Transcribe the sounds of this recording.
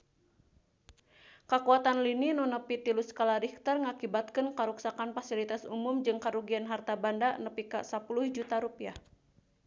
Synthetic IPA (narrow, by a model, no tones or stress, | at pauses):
kakuat̪anlininɔnəpit̪iluskalaɾik̚t̪ərŋakibat̪̚kɨnkaɾuksakanfasilit̪asumumd͡ʒɨŋkaɾuɡianɦart̪abandanəpika̰sapuluhd͡ʒut̪aɾupiah